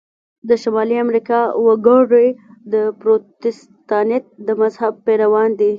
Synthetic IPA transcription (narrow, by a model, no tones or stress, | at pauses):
d̪əʃamɑliamɾikɑwaɡəɽəjd̪əpɾot̪ɪs | t̪ɑnet̪̚d̪əmazhab̚peɾawɑnd̪i